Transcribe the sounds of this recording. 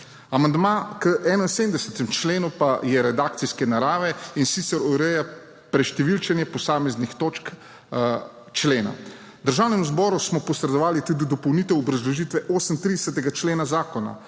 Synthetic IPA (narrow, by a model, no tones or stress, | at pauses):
amand̪makəʔɛːnainseːmd̪ɛsɛt̪ɛmt͡ʃleːnupajɛɾɛd̪aːk̚t̪siskɛnaɾaːʋɛinsit̪sɛɾɔɾɛja | pɾɛʃt̪ɛʋilt͡ʃɛnjɛpɔsaːmɛznixt̪oːt͡ʃk | t͡ʃleːna̰ | d̪əɾʒaːwnɛmzbɔːɾusmɔpɔsɾɛd̪ɔʋaːlit̪ud̪id̪ɔpɔwniːt̪ɛwɔbɾazlɔʒiːt̪ʋɛʔoːsəmt̪ɾid̪ɛsɛt̪ɛɡat͡ʃleːnazaːkɔna̰